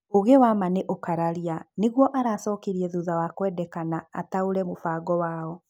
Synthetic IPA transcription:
oɣewamaneʔokaɾaɾianeɣwɔʔaɾasɔːkeɾiɛðuðawakwɛdɛkanaa̰taoɾɛmofaɡɔwaːɔ

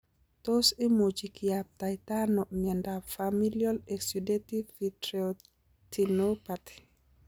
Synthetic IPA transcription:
tɔsɛmod͡ʒikijap̚tajtanɔʔmɛndafamiliɔlɛsudetifitɾo | tinɔpatɛ̥

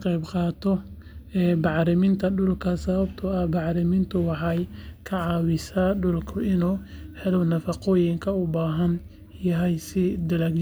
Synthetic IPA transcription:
qɛjbqɑːt̪ʰɔ | ɛːbɑʕɾɪmɪnt̪ʰɐɖʊlkʰɐsɐβɐbt̪ʰʊɐhbɑʕɾɪmɪnt̪ʰʊwɑħɑjkʰɐʕɑːwɪsaːɖʊlkʰʊʔɪnuːhɛlɔnɐfɑqɔːjɪŋkʰɐʊbaːɦɐn | jɐɦɛjsɪd̪ɐlɐɡ

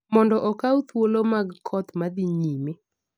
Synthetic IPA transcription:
mɔndɔʔɔkaut̪wolomaɡkʰɔt̪mad̪iɲime

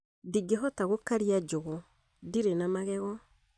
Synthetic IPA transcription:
diɡeɦɔtaɣokaɾiad͡ʒoɣɔ | diɾenamaɣɛɣɔ

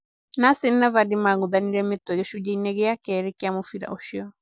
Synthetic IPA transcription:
nasɪn̩naβadimaɣuðaniɾɛmet̪wɛɣeʃud͡ʒɛinɛɣɛjakɛɾɛkeamofiɾa̰oʃiɔ

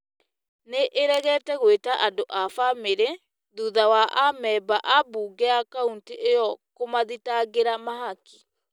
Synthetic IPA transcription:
neʔeɾɛɣɛːtɛɣwetaʔadoʔafameɾe | ðuðawaʔamɛbaʔabuːɡɛakaunteʔejɔkomaðitaɣeɾamaɦaki̥

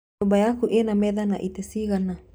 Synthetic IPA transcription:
obajakuʔenamed̪ana̰ʔit̪esiɣana

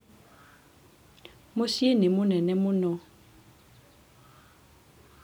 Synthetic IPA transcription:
mʊsienɪmʊnɛnɛmʊnɔ

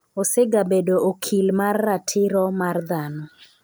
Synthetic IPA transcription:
osɪɡabedoʔokʰilmarːatʰɪɾɔmard̪anɔ

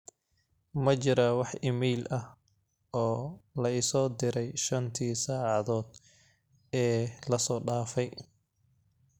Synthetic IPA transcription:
mɐt͡ʃɪɾawɑħɪmɛjlʔɐh | ɔːlɐɪsɔːd̪ɪɾɛjʃɐnt̪ʰiːsaːʕɑðɔːd̪ | ɛːlɐsɔːɖaːfɛj

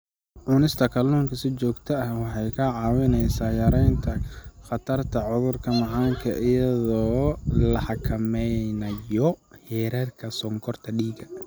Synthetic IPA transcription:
ʕʊnɪst̪ʰɐkʰɐluːŋkʰɐsɪt͡ʃɔːɡt̪ʰɐɐhwɑħɑjkʰɐʕɑːwɪnɛjsaːjɐɾɛjnt̪ʰɐχɑt̪ʰɐrt̪ʰɐʕʊðʊrkʰɐmɑʕɑːŋkʰɐʔɪjɐðɔːlɐħɑkʰɐmɛjnɐjɔhɛːɾɐrkʰɐsɔŋkʰɔrt̪ʰɐɖiːɡɐ

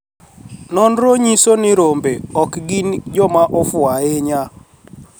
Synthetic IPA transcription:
nɔnɾoɲisonɪɾombeɔkɡind͡ʒɔmaʔɔfʊaeɲa

